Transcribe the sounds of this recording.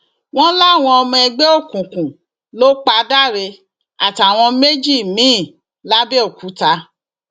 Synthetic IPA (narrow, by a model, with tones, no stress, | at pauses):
w̃ɔ̃˦la˦˨w̃ɔ̃˧ɔ˧mɔ̃˧ɛ˧ɡ͡be˦o˦˨kũ˨kũ˨ | lo˦k͡pa˧˦da˦˨ɾe˧ | a˨ta˨w̃ɔ̃˧me˦d͡ʒi˦˨mĩ˨˦˨ | la˦be˦o˦˨ku˨˦ta˧